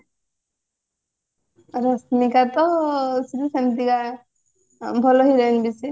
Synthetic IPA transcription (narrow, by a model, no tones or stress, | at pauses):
ɾɔsnikat̪ɔsidusant̪iɡa | bʱɔlɔɦiɾenbisi